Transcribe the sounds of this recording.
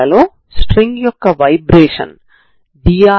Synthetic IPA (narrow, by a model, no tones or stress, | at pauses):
ɐlo̞ː | sʈɾeŋɡjɔkːɐʋɐjbɾeːʂɐ̰n | ɖijaː